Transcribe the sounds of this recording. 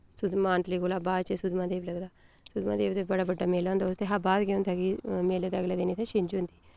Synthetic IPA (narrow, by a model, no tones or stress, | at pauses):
sʊd̪maːnʈliːɡoːlaːbaːd̪t͡ʃesʊd̪mãːd̪eːbləɡd̪aː | sʊd̪mã̰ːd̪eːbt̪ebəɽaːbəɖːaːmeːlãːnd̪aːʊst̪eːɦabaːd̪keõnt̪ʰaːkimeːled̪aəɡlaːd̪eniːt̪ʰeːʃɪnd͡ʒʊ̃nd̪iː